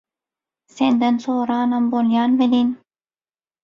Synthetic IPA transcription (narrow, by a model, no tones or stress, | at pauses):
send̪ɐnsoːɾɑːnɐmboljɑːnvelin